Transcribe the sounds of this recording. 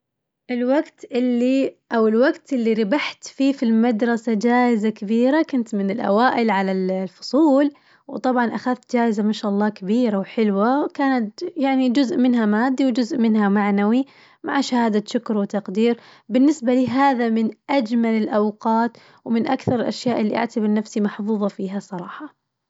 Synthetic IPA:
ʔɪlwaɡt̪ʔɪlːiʔawɪlwaɡt̪ʔɪlːiɾɪbaħt̪fiːfilmad̪ɾˤɑsad͡ʒaːʔɪzakabiːɾakʊnt̪mɪnɪlʔa̰waːʔɪlʕalallfʊ̥sˤuːl | wt̪ˤɑbʕɑnʔaxaðt̪̚d͡ʒaːʔɪzamaʃaːʔɑlˤːɑːkabiːɾawħɪlwakaːnat̪jaʕnid͡ʒʊzʔmɪnɦamaːd̪ːiwd͡ʒʊzʔmɪnɦamaʕnawi | maʕʃahaːd̪aʃʊkɾwɪt̪ɑqd̪iːɾbɪnːɪsbaliɦaːðamɪnʔad͡ʒmalɪlʔawqɑːt̪ | wmɪnʔakθɑɾˤɪlʔaʃjaːʔɪlːiʔa̰ʕt̪abɪɾnafsimɑħfuːðˤɑfiːɦasˤɑɾˤɑːħɑ

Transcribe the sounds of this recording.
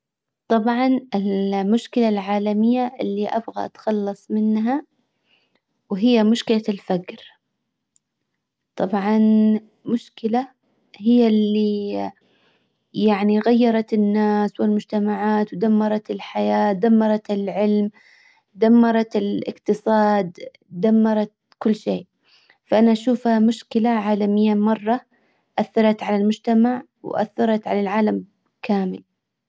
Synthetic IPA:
t̪ˤɑbʕɑnɪlmʊʃkɪlalʕaːlamɪjːaʔɪlːiʔa̰bɣa̰ʔat̪xɑlːɑsˤmɪnɦa | wɦɪjːamʊʃkɪlalfakɾ | t̪ˤɑbʕɑn | mʊʃkɪla | hɪjːalːi | jaʕniɣajːɑɾˤɑt̪ɪnːaːswɪlmʊd͡ʒt̪amaʕaːt̪wɪd̪amːɑɾˤɑt̪ɪlħajaːd̪amːɑɾˤɑt̪ɪlʕɪlm | d̪amːɑɾˤɑt̪ɪlʔɪ̰qt̪ɨsˤɑːd̪ | d̪amːɑɾˤɑt̪ | kʊlːʃeːʔ | faʔanaʔaʃuːfhamʊʃkɪlaʕaːlamɪjːamɑrˤːɑ | ʔaθːɑɾˤɑt̪ʕalalmʊd͡ʒt̪amaʕ | w̰ʔa̰θːɑɾˤɑt̪ʕa̰lalʕaːlam | kaːmɪl

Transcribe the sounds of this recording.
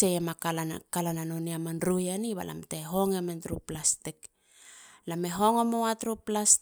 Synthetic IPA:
eemakalakalananoniamanɾujaniβa̰lʔa̰mteɦo̞ŋementɾuplastik | lameɦo̞ŋomowatɾuplas

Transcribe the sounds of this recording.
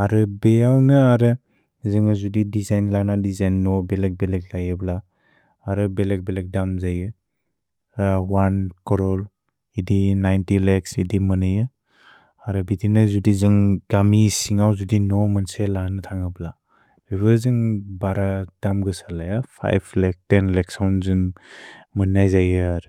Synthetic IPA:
aɾɯbealnɯaɾɯ | zɯŋazudidizajnlanadizajnːɔbelek̚belek̚lajɯblaː | ɾɯbelek̚belek̚damzajɯ | wankɔɾɔl | idinajntileksidimɯnɯjɯ | aɾɯbitinɯzudizɯŋɡamisiŋawzudinɔmɯnselanɯtʰaŋɯbla | ebɯzɯŋbaɾad̥amɡɯsalajapʰa̰jpʰlek̚tenleksawnzɯŋ | mɯnajzajɯaɾɯ

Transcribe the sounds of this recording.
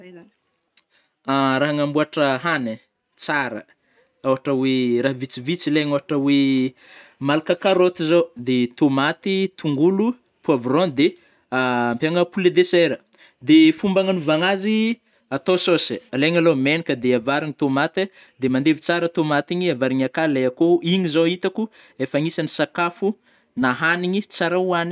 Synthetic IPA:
aɾaɦaŋambuaʈ͡ʂəɦane | t͡saɾə̰ | oɦaʈ͡ʂəweɾaɦvit͡sivit͡sileɲoɦaʈ͡ʂəwe | malakakaɾot̪izod̪et̪omat̪it̪uŋɡulu | puavrond̪e | mpaŋəpuled̪eseɾə | d̪efumbaŋanuvaŋazi | at̪ososaleŋalomenikəd̪eavaɾiŋit̪omat̪e | d̪emand̪evit͡saɾət̪omat̪iɲiavaɾiɲakaleakoiɲizoit̪aku | efaŋisanisakafu | naɦaniɲit͡saɾauani̥

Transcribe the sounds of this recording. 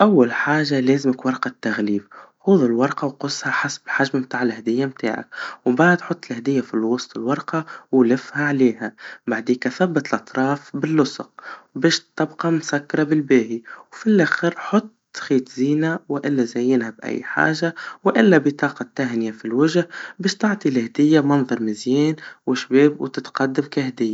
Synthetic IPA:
ʔawːalħaːʒaleːzɪmɪkwɑɾˤqɑt̪ːaɣliːbxuːðˤɪlwɑɾˤqɑwqʊsːhaħasbħaʒmabt̪aːʕɪlhæd̪ɪjːamt̪a̰ːʕa̰kwbaʕd̪ħʊt̪ˤːɪlhæd̪ɪjːafilwɑsˤt̪ˤɪlwɑɾˤqɑwlɪfhaʕleːhæbaʕd̪eːkaθabːat̪lʔɑt̪ˤɾˤɑːfbɪlːʊsˤʊqbeːʃt̪ːɑbqɑmsakːɑɾˤɑbɪlbeːhiwfilʔaxɪɾħʊt̪ˤːxiːt̪ziːnawʔɪlːazajːɪnhabʔa̰jːħa̰ːʒawʔɪlːabɪt̪ˤɑːqɑt̪ːahnɪjafilwɪʒhbeːʃt̪ɑʕt̪ˤilhd̪ɪjːamɑnðˤɑɾˤmɪzjeːnwɪʃbeːbwt̪ɪt̪qɑd̪ːamkahd̪ɪjːa

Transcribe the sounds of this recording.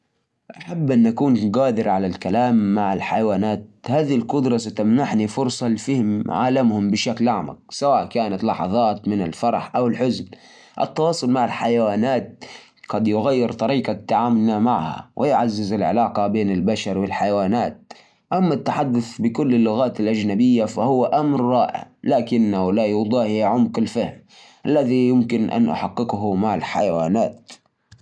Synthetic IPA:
ʔaħabːʔanʔakuːnɡaːd̪ɪɾʕalalkalaːmːaʕalħajawaːnaːt̪̚haːðilqʊd̪ɾˤɑsat̪amnaħnifʊɾsˤɑlfɪhɪmʕa̰ːlamhʊmbɪʃaklaʕma̰k̚sawaːʔkaːnat̪lɑħɑ̰ðˤɑːt̪mɪna̰lfɑɾˤɑħʔawɪlħʊzn | ʔɪ̰t̪ːɑwɑːsˤʊlmaʕalħajawaːnaːt̪̚ | ɡ̥ɑd̪jʊɣajːɪɾt̪ˤɑɾiːqɑt̪ːaʕaːmʊlːamaʕha̰wʔɪjʊʕazːɪzɪlʕɪ̰lɑːqɑbeːnɪlbaʃɑɾˤwɪlħajawaːnaːt̪̚ | ʔamːat̪ːaħad̪ːʊθbɪkʊlːɪlːʊɣaːt̪ɪlʔad͡ʒnabɪjːafahʊwːaʔamɾɾˤɑːʔɪ̰ʕlaːkɪnːaʔʊlaːʔwɑd̪ˤɑːhjaʕʊmqɪlfahm | ʔalːaðijʊmkɪnʔa̰nʔʊ̰ħɑqːɪqɦʊmaʕɪlħa̰jawaːnaːt̪̚

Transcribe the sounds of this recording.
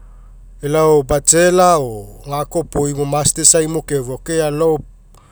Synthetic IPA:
elaobat͡ʃelaoŋakopojmomastesajmokevokealo

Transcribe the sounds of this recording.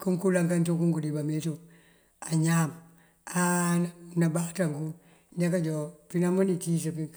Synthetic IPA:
kuŋkulaŋkantukuŋkudibametu | aɲam | annabaktaŋku | d͡ʒakad͡ʒopinamunitis̬api

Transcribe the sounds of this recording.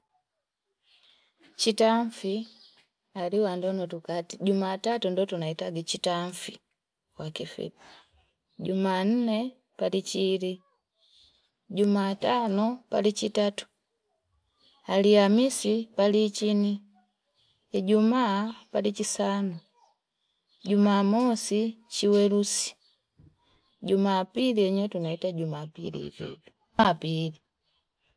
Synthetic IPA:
t͡ʃitaɱfi | aliwandɔnɔtukatiɟumaːtatundɔtunaitaɡit͡ʃitaɱfi | wakifḭ | ɟuman̩nɛ | palit͡ʃili | ɟumatanɔpa̰lit͡ʃitatu̥ | aliamisipalit͡ʃini | ɟumapalit͡ʃisanɔ | ɟumaːmɔsit͡ʃiwɛlusi̥ | ɟumapiliɛɲɛtunaitaɟumapḭlḭpɛ̰bu | pili

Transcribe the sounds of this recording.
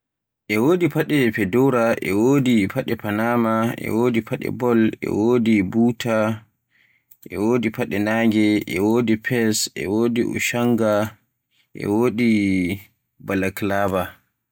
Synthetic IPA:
ʔɛwoːdipaɗɛpɛdɔɾaʔɛ̰woːdipaɗɛpanamaʔɛ̰woːdipʰaɗɛ̰bɔlɛ̰wodibuːtʰa | ʔɛ̰woːdipaɗɛnaːɡɛʔɛwoːdipʰɛsʔɛ̰wodiʔṵʃaŋɡa | ʔɛ̰woːdi | balaklaːba

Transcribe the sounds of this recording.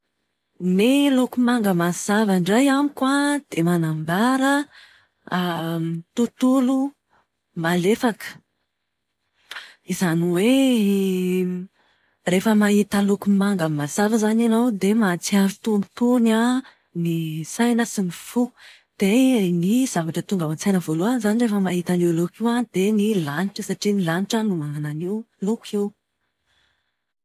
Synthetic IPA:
nelukumaŋɡəmaz̥avaɳɖ͡ʐajamikwad̪̥emanambaɾə | mt̪ut̪ulu | malefakə̥ | izaniwe | refəmaɦit̪əlukumaŋɡəmazavəzananowd̪emat͡siaɾut̪umt̪una | nisajnəsinifu | d̪̥eniz̥avaʈ͡ʂət̪uŋɡawant͡sajnəvoluazanirefəmaɦit̪aniwlukiwad̪enilaniʈ͡ʂəsaʈ͡ʂinilaniʈ͡ʂanumaŋananiw | lukʰew

